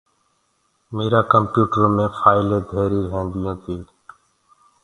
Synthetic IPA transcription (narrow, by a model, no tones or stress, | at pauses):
meːɾaːkəmpjuːʈəɾomẽːfʰaːɪleːd̪ʱeːɾiːɾəɦẽːnd̪ɪjõːt̪ʰiː